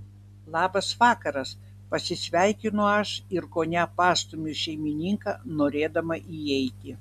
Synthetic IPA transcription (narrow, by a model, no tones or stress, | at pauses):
lˠɑːbɐsʋɑːkɐɾɐs | pɐsʲɪsʲʋʲæɪkʲɪnʊɐʃɪɾkoːnʲæpɑːst̪ʊmʲʊʃʲɛɪmʲɪnʲiŋkɑːnoːɾʲeːd̪ɐmɐʔiɛɪt̪ʲɪ